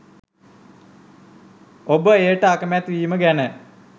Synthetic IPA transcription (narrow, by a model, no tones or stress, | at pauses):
obəeːʈəakəmeat̪ʋiːməɡænə